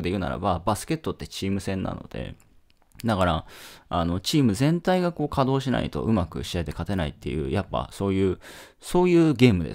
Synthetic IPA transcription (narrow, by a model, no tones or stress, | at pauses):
d̪e̞jɯ̟na̰ɾa̰babasɨ̥ke̞t̪ːo̞t̪ːe̞t͡ɕiːmɯ̟sẽ̞nːa̰no̞̰d̪e̞̰ | d̪akaɾaano̞t͡ɕiːmɯ̟zẽ̞nt̪aiɡako̞ːkʰad̪o̞ːɕina̰ḭt̪o̞̰ʔɯ̟makɯ̟̰ɕiat̪e̞kat̪e̞naḭt̪ːe̞̰jɯ̟̰ːjapːa̰so̞ːjɯ̟ː | so̞ːjɯ̟ːɡe̞ːmɯ̟d̪e̞̰